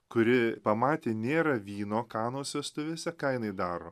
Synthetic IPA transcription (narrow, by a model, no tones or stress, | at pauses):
kʊɾʲɪpɐmɑːt̪ʲeːnʲeːɾɐʋʲiːnoːkɑːnoːsʲɛɐst̪ʊʋʲeːsʲɛkɐɪnɐɪd̪ɑːɾoː